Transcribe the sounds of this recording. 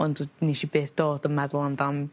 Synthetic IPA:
ɔndniʃibeːθd̥ɔːdəmɛdlˠandam

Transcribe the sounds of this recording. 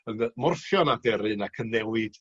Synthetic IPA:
ənmʊrfjɔnadɛɾɨnakʰənːɛwɨd̥

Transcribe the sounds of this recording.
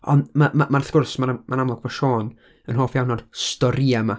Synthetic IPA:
ɔ̰ndmamamarθɡ̥ʊrsmaɾmanamlˠɔɡvɔʃoːn | ənɦoːfjawnːɔd̥stɔɾiama

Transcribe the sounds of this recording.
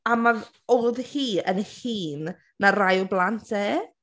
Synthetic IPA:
ama | ɔjðhiːənhiːnː | arajɔblˠantʰeː

